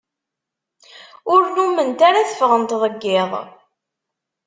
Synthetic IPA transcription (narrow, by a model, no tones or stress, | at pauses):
ʊɾnumənt̪aɾaθə̥fʁənt̪ðˤəɡːɪðˤ